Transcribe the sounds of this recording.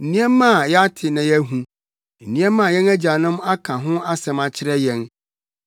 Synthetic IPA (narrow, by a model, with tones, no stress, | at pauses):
n̩˨nĩ˦ɛ˦mːã˦˨jɛ˦a˦tʰɪ˨nã˨jɛ˦ɦũ˨ | n̩˨nĩ˦ɛ̃˦mːã˦˨jɛ̃˦næ˦d͡ʑa˨nʊ̃˦ma˦kʰã˨ɦʊ̃˦a˦sɛ̃˨ma˨t͡ɕʰɪ˦ɾɛ˦jɛ̃˦n